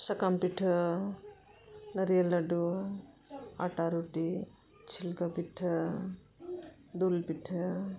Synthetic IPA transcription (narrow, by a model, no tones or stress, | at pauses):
sɐkaːmpiʈʰɐ | nɐɾijɐlɐɖu | a̰ːʈaːɾuʈi | t͡ʃʰilkɐpiʈʰ | d̪uːlpiʈʰɐ